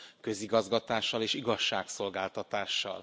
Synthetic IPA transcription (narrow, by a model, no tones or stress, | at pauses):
kø̞ziɡɒzɡɒt̪aːʃːɒleːʃiɡɒʃːaːkso̞lɡaːlt̪ɒt̪aːʃːɒ̰l